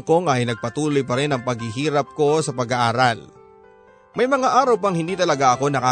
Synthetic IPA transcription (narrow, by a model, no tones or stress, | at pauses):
ŋko̞ŋɐjnɐɡ̚pɐt̪uːlo̞jp̬ɐɾɛnɐŋpɐɡ̚hɪɦiːɾɐp̚ko̞sɐpɐɡɐʔaːɾal | mɐjmɐŋaʔaːɾɐwp̬ɐŋhɪ̃nd̪iːt̪ɐlɐɡaʔɐko̞nɐkaː